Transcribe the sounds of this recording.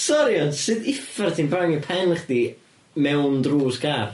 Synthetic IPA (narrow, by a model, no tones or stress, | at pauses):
sɔɾiɔnsɨdɪfartʰiːnbraŋipʰɛnχd̥i | mɛwndruːskʰar